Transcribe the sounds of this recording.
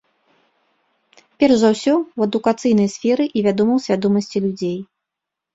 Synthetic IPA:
pʲɛrʐzawsʲɔwɐd̪ukat̪sɨjn̪ɐjsʲfʲɛɾɨʔivʲad̪ɔmɐwsʲvʲad̪ɔmɐsʲt͡sʲilʲud͡zʲej

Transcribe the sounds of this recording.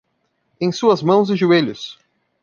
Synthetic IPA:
ẽj̃suɐzmɐ̃w̃zɪʒueʎʊs

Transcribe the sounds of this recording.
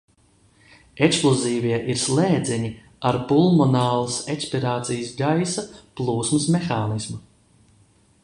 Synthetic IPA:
eksplˠuziːviɛʔiɾslˠeːd̪zʲɛɲi | aɾpulˠmɔnaːlˠəsekspiɾaːt̪sijsɡajsaplˠuːsmɨsmexaːnismu

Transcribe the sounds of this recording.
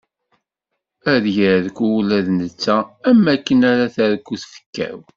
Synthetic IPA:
æðjəðkʷuulæðnət͡sːæːmːækːənaɾaθæɾkːuθfə̥kːæ̰w

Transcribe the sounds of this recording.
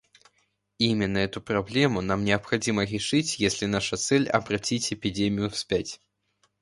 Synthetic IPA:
imʲɪnːəɛt̪ʊpɾablʲɛmʊn̪amnʲɪɐpxɐd͡zʲimɐɾʲɪʂɨt͡sʲjesʲlʲɪnaʂɐt̪sɛlʲɐ̰bɾat͡sʲit͡sʲɛpʲid͡zʲemʲijʊfsʲpʲat͡sʲ

